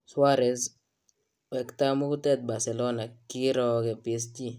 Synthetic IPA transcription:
swa˦ɾɛ˨s | wɛ˨kt̪a˦mu˦ktɛ˦t̪̚ba˨ɾsɛ˨lo˦na˨ki˦ɾɔkɛ˨pi˨s̬ti˦

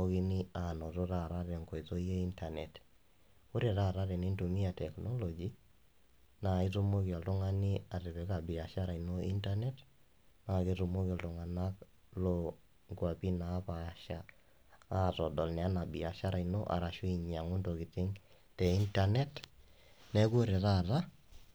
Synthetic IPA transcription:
o˦ki˦ni˦a˨nɔ˨ɾo˦ɾa˦ɾa˦ɾɛ˨ŋkɔ˨jto˦je˦i˦nta˨nɛ˨t | ʊ˦ɾe˨ɾa˦˨ɾa˦ɾɛ˨ni˦ntu˨mi˦a˨tɛ˨knɔ˦lɔ˨d͡ʒi˨ | na˨i˦tu˦mo˦ki˨a˨ltʊ˦ŋa˦ni˦a˨rɪ˨βɛ˨ka˨bi˨a˨ʃa˦ɾa˨jno˦i˦nta˦nɛ˦t | na˨ke˦ɾu˨mo˦ka˨ltʊ˨ŋa˨na˦k | lo | ŋɡwa˨pi˦naː˨˦pa˨ʃa˦ | a˦˨tɔ˨dɔ˨lnɛ˨a˦na˨bi˨a˨ʃa˦ɾa˨jno˦ʔa̰˨ɾa˨ʃu˦i˨ɲa˨ŋʊ˦ndo˨ki˨tɪ˦ŋ | tɛ˨i˦nta˨nɛ˦t | nɛ˦ku˦ɾe˨ɾa˦ɾa˦

